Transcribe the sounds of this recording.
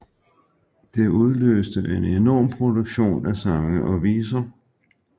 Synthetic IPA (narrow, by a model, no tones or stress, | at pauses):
d̥e̝ʔuð̞ˠlø̰ːsd̥əʔenenɒ̰ːmpʰʁo̝d̥uɡ̥ɕo̝̰ːnæsɑ̈ŋəʔɒ̽ʋiːsɐ